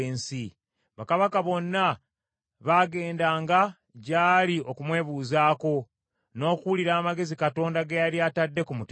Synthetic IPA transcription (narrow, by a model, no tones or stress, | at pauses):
eːnsi | βakaβakaβo̞nːa | βaːɡe̞ːndaːŋɡa | ɟaːlio̞kumwe̞ːβuːzaːko̞ | no̞ːkuuliɾaːmaɡe̞zikato̞ːndaɡejaɾiatadːe̞kumut